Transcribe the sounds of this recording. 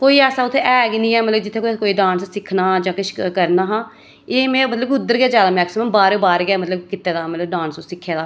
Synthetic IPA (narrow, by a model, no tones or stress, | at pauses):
koːiːɛːsaːʊt̪ʰːeʔɛːɡnĩːɛːmət̪ləbd͡ʒɪt̪ʰːeːkkoːiːɖãːnssɪkʰnaːd͡ʒãːkɪʃkəɾnaːɦãː | eːmɛ̃ːmət̪ləbʊd̪ːəɾɡaːd͡ʒaːd̪aːmɛːksɪməmbaːɾbaːɾɡɛːmət̪ləbkɪt̪ːeːd̪aːmət̪ləbɖãːnssɪkʰːeːd̪aː